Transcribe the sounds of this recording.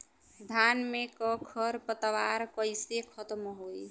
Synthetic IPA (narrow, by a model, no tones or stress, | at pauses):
d̪ʱanmekɔkʰʌɾpət̪ʋaɾkəjsekʰʌt̪mɦoj